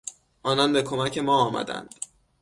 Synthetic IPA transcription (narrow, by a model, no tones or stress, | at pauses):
ʔɒːnɒnbe̞kʰo̞mæcʰe̞mɒːɒːmæ̰d̪æ̰nd̪̥